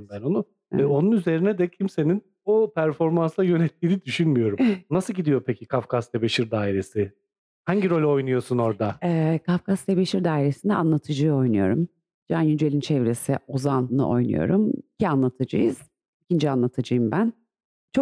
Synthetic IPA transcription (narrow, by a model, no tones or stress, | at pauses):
bæno̞nu | ɛo̞nunyze̞ɾinɛd̪ɛcʰimse̞nin | opʰæɾfo̞ɾmanslˠajø̞nɛt̪ʰːiːnid̪yʃynmyjo̞ɾumnasɯlɟid̪ijo̞pʰecʰikʰafkʰast̪ʰebeʃiɾd̪aːiɾe̞sɪ | haɲɟiɾo̞lʲo̞jnujo̞suno̞ɾd̪aɛkʰafkast̪ʰebeʃiɾd̪aːiɾe̞sind̪ɛanlˠat̪ʰɯd͡ʒɯjo̞jnujo̞ɾum | d͡ʒanjyd͡ʒelʲint͡ʃʰɛvɾe̞sio̞zannɯ̰ʔo̞̰jnṵjo̞̰ɾumicʰianlˠat̪ʰɯd͡ʒɯjɯ̰z̥ | icʰind͡ʒianlˠat̪ʰɯd͡ʒɯjɯmbæn | t͡ʃʰo